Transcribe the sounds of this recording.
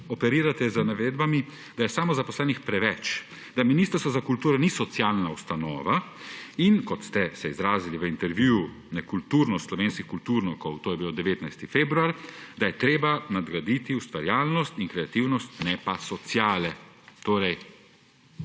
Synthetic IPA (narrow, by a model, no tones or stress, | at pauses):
ɔpɛɾiːɾat̪ɛzənaʋeːd̪bami | d̪ajɛsaːmɔzapɔslɛːnixpɾɛʋɛt͡ʃ | d̪aminiːst̪əɾst̪ʋɔzakult̪uːɾɔnisɔt̪sjaːlnaust̪anɔ̰ːʋa | inkɔt̪st̪ɛsɛizɾaːziliʋəint̪ɛɾʋjuːu | nɛkult̪uːɾnɔst̪slɔʋeːnskixkult̪uɾnikɔwt̪oːjɛbilod̪ɛʋeːt̪najst̪ifeːbɾuaɾd̪ajɛt̪ɾeːbanad̪ɡɾad̪iːt̪iust̪ʋaɾjaːlnɔst̪inkɾɛat̪iwnɔst̪nɛpasɔt̪sjaːlɛt̪oːɾɛj